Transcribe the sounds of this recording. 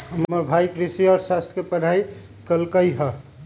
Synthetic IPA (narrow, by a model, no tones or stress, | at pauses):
ɦəmməɾbʱajkɾisiɔɾsast̪ʰkepəɽ̤ʱaj | kəlkəjɦə